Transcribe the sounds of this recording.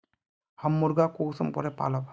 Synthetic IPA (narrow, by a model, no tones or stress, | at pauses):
hamːuɾɡakosɔmkɔɾɛpa̰lɔb